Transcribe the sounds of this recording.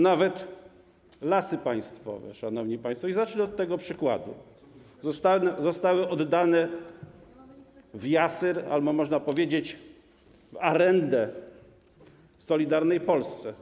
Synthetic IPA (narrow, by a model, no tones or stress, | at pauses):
navɛt̪ | lasɘpaj̃st̪fɔ̰vɛ̰ʂanɔvɲipaj̃st̪fɔizat͡ʂliɔt̪ːɛɡɔpʂɘkwa̰d̪ṵ | zt̪azɔst̪awɘʔɔd̪ːanɛ | vjasɛɾa̰lbɔmɔʐnapɔvʲjed͡ʑet͡ɕ | vaɾɛnd̪ɛ | sɔlʲid̪aɾnɛjpɔlst̪sɛ